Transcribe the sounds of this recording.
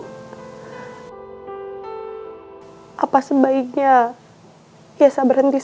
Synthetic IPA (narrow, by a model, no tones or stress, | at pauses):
ʔapasəbaik̚ɲa | jasabərhənt̪is